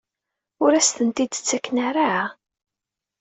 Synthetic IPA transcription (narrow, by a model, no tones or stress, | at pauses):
ʊɾæst̪ənt̪id̪t͡sːækːnaɾaʕa